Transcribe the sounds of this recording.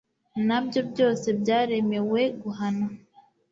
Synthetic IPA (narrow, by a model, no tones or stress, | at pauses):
nabjɔbjɔsɛbjaɾɛmɛwɛɡuɦana